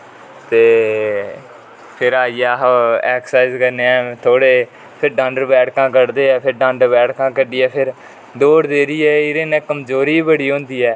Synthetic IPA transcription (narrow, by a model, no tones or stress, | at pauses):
t̪eː | pʰɪɾaːiːaːɦɛːksaːɪzkəɾneːɛːt̪ʰoːɽeː | pʰɪɾɖãːɳɖəɾbɛːɽkãːkəɾd̪eːɛːpʰɪɾɖãːɳɖəɾbɛːɽkãːkəɖiːɛːpʰɪɾ | d̪oːɽd̪eːɾiːɛːɪɾeːnɛ̃ːkəmzoːɾiːbəɽiːɦõːnd̪iːɛː